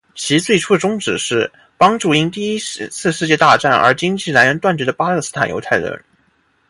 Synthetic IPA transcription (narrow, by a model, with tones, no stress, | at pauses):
t͡ɕʰi˧˥t͡swe˥˩ɪʈ͡ʂʰu˥ə˨˩ʈ͡ʂʊ˥ŋʈ͡ʂɻ̩˨˩ʂɻ̩˥˩ | pɑ˥ŋʈ͡ʂu˥˩i˥nt̪i˥˩i˥t͡sʰɹ̩˥˧ʂɻ̩˥˧t͡ɕjɛ˥˧t̪a˥˧ʈ͡ʂa˥˩nə̰˞˧˥t͡ɕi˥ŋt͡ɕi˥˩la˧˥ɪɻə˧˥nt̪wa˥˩nt͡ɕɥɛ˧˥d̪ə˧˩pa˥lɤ˥˩sɹ̩˥t̪ʰa˨˩njo̰˧˥t̪ʰa˥˩ɪlə̰˥˧˥